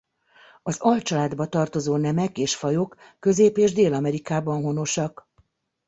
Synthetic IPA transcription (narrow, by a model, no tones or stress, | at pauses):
ɒzɒlt͡ʃɒlaːd̪bɒt̪ɒrt̪o̞zoːnɛmɛkeːʃfɒjokːø̞zeːpeːʒd̪eːlɒmɛɾikaːbɒnɦo̞no̞ʃɒk